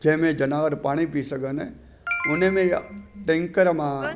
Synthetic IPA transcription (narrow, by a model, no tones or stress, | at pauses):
d͡ʒẽːmẽd͡ʒənaːʋəɾpaːɽ̃ipisəɡəne | onemẽʈẽŋkəɾmã